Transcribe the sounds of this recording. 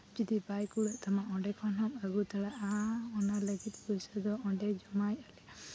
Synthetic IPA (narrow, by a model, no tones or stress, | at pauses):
d͡ʒid̪ibajkuɽɛʔt̪ʰamaʔɔ̃ɖɛkʰɔnɦɔməɡut̪ʰaɽaʔaɔnaləɡit̪̚puisad̪ɔɔɳɖɛd͡ʒɔmajalɛ